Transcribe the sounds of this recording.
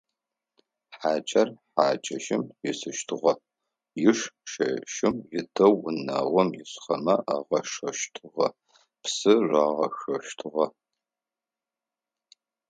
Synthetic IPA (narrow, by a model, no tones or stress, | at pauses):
ħaːt͡ʃʼɐrħaːt͡ʃʼɐʃɪmjɪsɨʃtʰɨʁɐ | jɪʂʃɐʃɪmjɪdʰɐwʊna̰ːʁʷɔmjɪɕχɐmɐʔaːʁɐʂɐʃtʰɨʁɐ | psɨraːʁɐxɐʃtʰɨʁɐ